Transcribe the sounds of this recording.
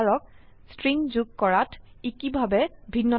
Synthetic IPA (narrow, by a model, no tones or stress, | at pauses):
ɹɔk̚stɹiŋzuɡ̚kɔɹatʰikibʱabɛbʱinːɔ